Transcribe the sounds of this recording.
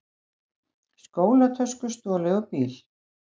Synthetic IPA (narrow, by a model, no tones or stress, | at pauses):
skoːwlat̪ʰœskʏst̪ɔːlɪɔpiːl